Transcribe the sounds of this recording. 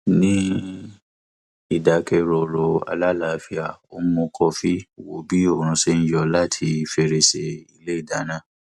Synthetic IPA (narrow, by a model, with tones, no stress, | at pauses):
nĩ˦ | i˦˨da˨˦kɛ˧ɾɔ˨ɾo˨˧a̰˨˧la˦la˨fi˧a˨o˦mõ˧kʰɔ˧fi˦˨wo˧bi˦o˦˨ɾ̃ũ˧˦se˦˧n̩˦jɔ˧la˦tʰi˧˨fe˧ɾe˧se˧i˧le˦i˦˨da˨˦nã˦˨